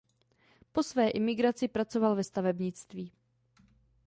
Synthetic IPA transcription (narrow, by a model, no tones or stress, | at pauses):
po̞svɛːʔɪmɪɡɾat͡sɪpɾat͡so̞valvɛst̪avɛbɲɪt͡st̪viː